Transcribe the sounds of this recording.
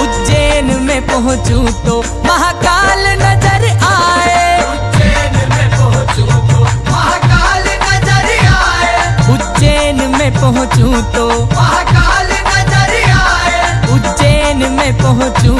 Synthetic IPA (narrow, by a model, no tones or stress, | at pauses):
ʊd͡ʒeːnmẽpɐɦʊ̃t͡ʃut̪o | mɐɦakaːlnɐzəɾaːe | d͡ʒenɦomkaːl | nɐzəɾːeʊ | d͡ʒeːnmẽpɐɦʊ̃t͡ʃut̪o | aːl | nɐzəɾaːeʊd͡ʒeːnmẽpɐɦʊ̃t͡ʃu